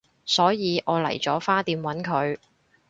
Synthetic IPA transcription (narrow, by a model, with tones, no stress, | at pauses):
sɔː˨˥jiː˨˧ʔɔː˨˧lɐ̰˨˩jt͡sɔː˨˥faː˥t̪iː˧mwɐ˨˥nkʰɵ˨˧ɥ